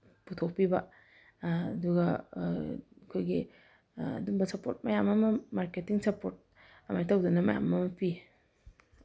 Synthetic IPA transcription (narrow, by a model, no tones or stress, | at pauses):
putʰok̚piba | duɡa | kʰojɡi | a̰dumbɐsapo̰ɾt̚majamamɐmaɾketiŋsapoɾt̚ | amajtʰawdɔnamaja̰mamɐpʰi